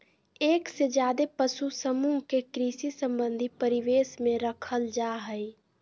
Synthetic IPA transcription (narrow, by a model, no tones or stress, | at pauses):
eːksed͡ʒjaːd̪epəsusəmuɦkekɾisisə̃mbə̃nd̪ʱipəɾiʋesmẽɾəkʰəld͡ʒaɦəj